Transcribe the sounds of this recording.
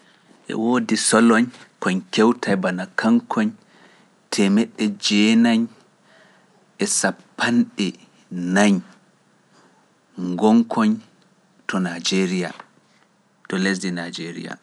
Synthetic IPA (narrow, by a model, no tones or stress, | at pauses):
ʔɛ̰woːdisɔlɔɲkɔɲkɛwtajbanakʰaŋkʰɔɲ | tʰɛmɛɗːɛd͡ʒɛnaɲ | ʔɛsapːanɗɛ | naɲ | ŋɡɔŋkʰɔɲ | tʰɔnad͡ʒeɾija̰ | tɔles̬dinad͡ʒeɾḭja̰